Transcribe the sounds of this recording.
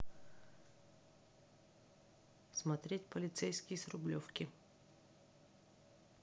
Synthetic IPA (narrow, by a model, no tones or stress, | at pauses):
smɐt̪ɾʲetʲpəlʲɪt̪sɛjsʲkʲɪjsɾʊblʲɔfkʲɪ